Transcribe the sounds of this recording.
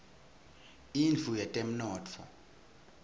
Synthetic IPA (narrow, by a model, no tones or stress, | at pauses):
ind͡ɮʱujɛtʼɛm̩nɔːtʰfɔ̰